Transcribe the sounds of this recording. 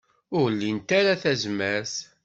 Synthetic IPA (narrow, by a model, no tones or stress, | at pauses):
ʊɾlːint̪aɾaθæzmæɾθ